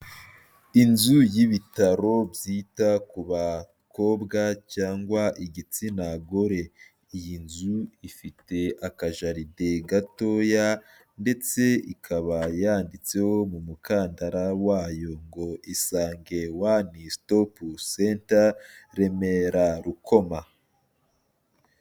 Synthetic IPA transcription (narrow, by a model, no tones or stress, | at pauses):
inzujiβitaɾo̞bjiːtakuβa | ko̞ːbɡacaːŋɡwaʔiɟit͡sinaɡo̞ɾe̞ | ijinzuifite̞ʔakaʒaɾide̞ɡato̞ja | nde̞t͡se̞ikʰaβajaːndit͡se̞ho̞mumukaːndaɾawaːjo̞ŋɡo̞ʔisaːŋɡe̞wanistopusentaɾe̞me̞ɾaɾuko̞ma